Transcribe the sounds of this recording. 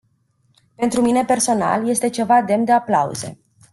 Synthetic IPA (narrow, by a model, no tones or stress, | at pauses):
pe̞nt̪ɾumine̞pe̞rso̞na̰lje̞st̪e̞t͡ʃe̞vad̪e̞md̪e̞aplaṵze̞̰